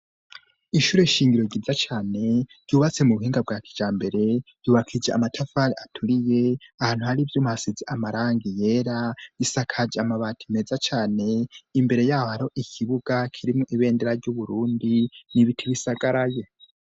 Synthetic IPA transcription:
iʃuːɾe̞iʃiːŋɡiɾo̞ɟiizat͡ʃaːne̞ɟ̥uːβat͡se̞muβuhiːŋɡab̚ɡaːki̥d͡ʒaːmbe̞ɾe̞j̥uːβakʰid͡ʒea̰matʰafaɾiʔatʰuɾije̞ahaːn̥huhaɾivjuːmuhasizeʔamaɾaːŋɡije̞ːɾaisakʰad͡ʒeamaβaːtʰime̞ːzat͡ʃaːne̞imbe̞ɾe̞jaːhohaɾiho̞ʔikʰiβuɡakʰiɾimuʔiβe̞ːndeɾaɾɟuβuɾuːndiniβitʰiβisaɡaɾaje

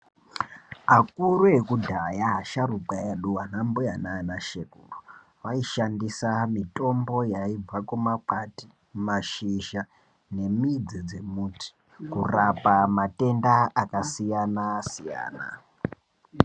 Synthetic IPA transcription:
akuɾuekudʱajaɦaʃarukaeɗuwanambujananaʃekṵːru | ʋaiʃandisamito̞mbo̞jaib͡vakumakati̥ | maʃiʒa | ne̞mid͡zid͡ze̞muːti̥ | kurapamate̞ndaakasijanasija̰ːna̰

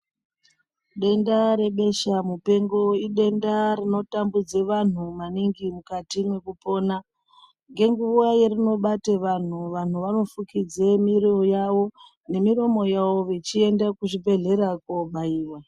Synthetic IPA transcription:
ɗe̞ndaɾe̞ɓe̞ʃamupe̞ŋɡo̞iɗe̞ndarino̞tambud͡zeʋan̤umaniŋɡimukatimwe̞kupo̞ːna | ŋɡe̞ŋɡuʋajerino̞ɓateʋan̤uʋan̤uʋano̞fukid͡zemiɾio̞jaʋo̞ | ne̞miɾo̞mo̞jaʋo̞ʋet͡ʃie̞ndakuʐibʱe̞ɮe̞ɾakoɓaiːwa

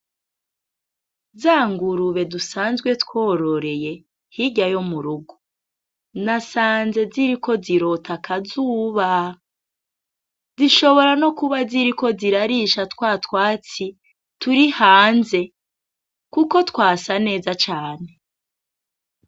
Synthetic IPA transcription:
zaːŋɡuɾuβe̞dusaːnzɡwe̞tkwo̞ːɾo̞ɾe̞je̞ | hiɟajo̞muɾuɡu | nasaːnze̞ziɾiko̞ziɾo̞tʰakʰazuːβa | ziʃo̞βo̞ɾano̞kuβaziɾiko̞ziɾaɾiʃatkwaːtwaːt͡si | tuɾihaːnze̞ | kuko̞tkwaːsane̞ːzat͡ʃaːne̞

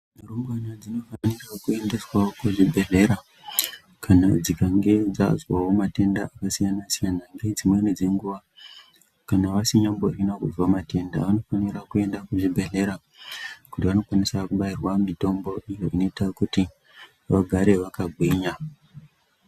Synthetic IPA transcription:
maɾomɡanad͡zino̞fanirakue̞nde̞swakuʐibʱe̞ɮe̞ɾa | kʰanad͡zikaŋɡe̞d͡za̰zwawomate̞nda̰ʔakasijanasijanaŋɡe̞d͡zimwened͡zeŋɡuʋa | kanaʋasiɲamborinakuzwamate̞nda̰ʋano̞fanirakue̞ndakuʐibʱe̞ɮe̞ɾa | kutiʋano̞kwanisakuɓairwamito̞mbo̞ʔijo̞ino̞itakuti | ʋaɡʱaɾe̞ʋakaɡʱwiɲa

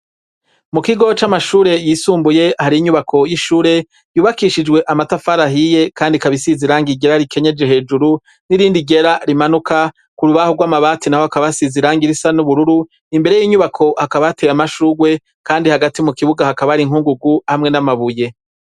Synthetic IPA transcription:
mukiɡo̞t͡ʃamaʃuːɾe̞jiːsuːmbuje̞haɾiiɲuβakʰo̞jiʃuːɾe̞ | juːβakiʃid͡ʒɡwe̞ʔamatafaɾaɦije̞kaːndikaβisiziɾaːŋɡiɟe̞ɾaɾike̞ɲe̞d͡ʒe̞ɦe̞ːd͡ʒuɾu | niɾiːndiɡe̞ɾaɾimanuka | kuɾuβahoɡwaːmaβaːtinaho̞hakaβasiziɾaːŋɡiɾisanuβuɾuɾu | imbe̞ɾe̞jiːɲuβakʰo̞hakaβateɾamaʃuːɡwe̞ | kaːndihaɡatimukiβuɡahakaβaɾiŋhuːŋɡuɡuhamŋe̞namaβuje̞

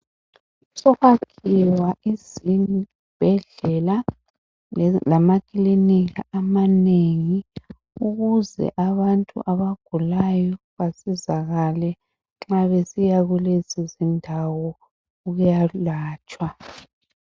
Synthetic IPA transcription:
sɔɣakʰiwaʔizini | b̥ʱɛɮɛla | lamakʼiliniɣa̰ʔamaneŋi | uɣuzɛ̰ʔaβantʼṵʔaβaɡ̥ʱulajɔ | βasizaɣalɛ | ŋ͡ǁaβesijaɣulezizindʱawɔ | uɣujalaːt͡ʃʼwa

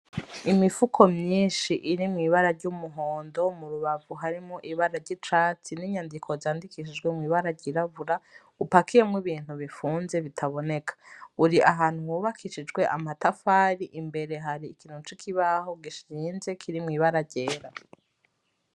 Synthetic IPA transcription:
imifukʰo̞mɲiːʃiʔiɾimŋiːβaɾaɾɟumuɦoːndo̞muɾuβavuɦaɾimŋoʔiβaɾaɾɟit͡ʃaːt͡siniɲandikʰo̞zaːndikiʃ̬id͡ʒɡwe̞mŋiːβaɾaɟiɾaβuɾa | upakije̞mwiβiːn̥huβifuːnze̞βitʰaβo̞ne̞kʰḁuɾiʔaɦaːn̥huhuβakʰiʃid͡ʒɡwe̞ʔamatafaːɾiʔimbe̞ɾe̞ɦaɾiːkin̥ut͡ʃikʰiβaho̞ɡiʃiːnze̞kʰiɾimŋiːβaɾaɾɟe̞ːɾa

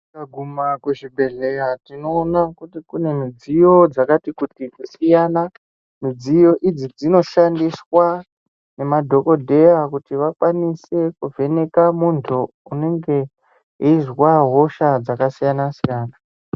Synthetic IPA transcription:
aɡʱumakuʐibʱe̞ɮe̞jatino̞ːnakutikune̞mid͡zijo̞d͡zakatikutiusijana | mid͡zijo̞ʔid͡zid͡zino̞ʃandiswa | ne̞madʱo̞ko̞dʱe̞jakutiʋakwanise̞kuvʱe̞ne̞kamuntʰuː | ne̞ŋɡe̞ | ɦiizwaɦo̞ʃad͡zakasijanasijaːna

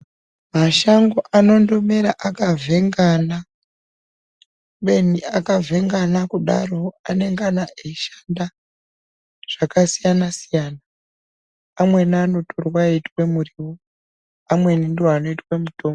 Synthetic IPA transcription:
maʃaŋɡo̞ʔano̞ndo̞me̞ɾaʔakavʱe̞ŋɡana | ɓe̞niakavʱe̞ŋɡanakuɗa̰ro̞ane̞ŋɡanaʔeʃḁnda | ʐ̥akasijanasijanaː | mwe̞nano̞tʰorwaitwemuriwo | amwe̞nindiwano̞itwemutoːmo

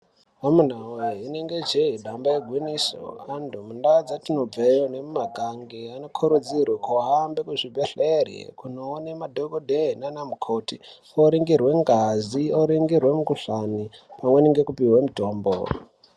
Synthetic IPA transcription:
amun̤aweine̞ŋɡe̞d͡ʒeidʱambajeɡʱwiniso̰andʱumundad͡zatinob͡vejonemumaɡʱaŋɡeano̞kʰoɾud͡zirwakoɦambekuʐibʱeɬerḛkunoːnemadʱoɡodʱeɦinanamukʰoti | oɾiŋɡirwe̞ŋɡazioɾiŋɡirwe̞mukuɬanipamwe̞niŋɡekupiwemutoːmbo̰

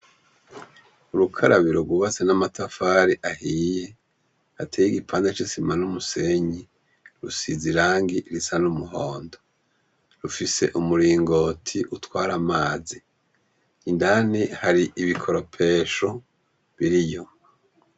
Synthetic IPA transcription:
uɾukʰaɾʔaβiɾoɡuβat͡senamatʰafaɾiʔahiːje̞ | atʰejiɡipʰaːndat͡ʃisimanumuse̞ɲi | ɾusiziɾaːŋɡiʔɾisanumuɦoːndo | ɾufise̞̰ʔumuɾiːŋɡo̞ːtʰiʔutwaːɾamaːzi | indanihaɾiʔiβikʰoɾo̞pʰe̞ːʃo̞ | βiɾijo̞

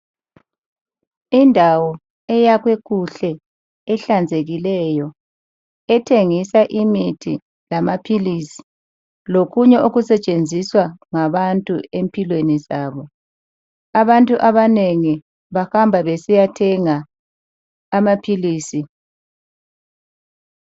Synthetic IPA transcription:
indʱawɔ | ɛjaɣweɣuɬɛ | ɛɬand͡zʱeɣilɛjɔ | ɛtʰeŋisaʔimitʰi | lamapʰilisi̥ | lokuɲɛuɣusɛt͡ʃʼend͡zʱiswaŋaβantʼṵempʰʼilwenizaːβɔ | aβantʼuʔaβaneŋi | βahambʱaβesijatʰɛŋa | mapʰiliːsi

